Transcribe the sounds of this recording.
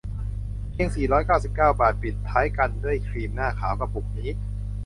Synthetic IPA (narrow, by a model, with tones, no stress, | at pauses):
pʰi˦˥˩əŋsiː˨˩ɾɔː˦˥jkaː˥˩wsi˨˩p̚kaː˥˩wbaː˨˩t̪̚pi˨˩t̪ʰːaː˦˥jka˧ndu˥˩əjkʰɾiː˧mnaː˥˩kʰaː˩˦wka˧p̚ːu˨˩k̚niː˦˥